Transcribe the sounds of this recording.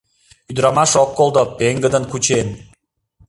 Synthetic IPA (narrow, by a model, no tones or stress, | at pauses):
yd̪ɾɑmɑʃokːolˠd̪opeŋɡəd̪ənkut͡ɕen